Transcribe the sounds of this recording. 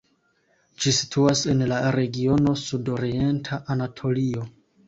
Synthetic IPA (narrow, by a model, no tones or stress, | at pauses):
d͡ʒisi̥tʰuase̞nlaɾe̞ɡio̞no̞sudo̞ɾie̞ntʰaʔːnatʰo̞lio̞